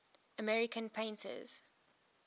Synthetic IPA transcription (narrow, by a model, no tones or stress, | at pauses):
əmɛɹɪkʰə̃npʰẽɪ̃ntʰə̰z̥